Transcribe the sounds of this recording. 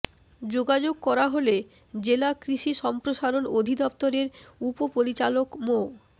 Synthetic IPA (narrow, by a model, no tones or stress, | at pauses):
d͡ʑoɡad͡ʑoɡ̚kɔɾaɦole | d͡ʑelakɾiʃiʃɔmpɾoʃaɾonod̪ʱid̪ɔp̚t̪oɾeɾupopoɾit͡ɕalokmo